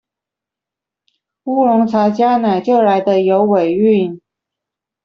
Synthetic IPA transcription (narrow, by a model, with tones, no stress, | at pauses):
u˥lʊ˧˥ŋt͡sʰa˧˥t͡ɕja˥na˨˩ɪt͡ɕjo˥˩ʊla˧˥ɪd̪ə˧jo˧˥ʊwe˨˩ɪy˥˧˩n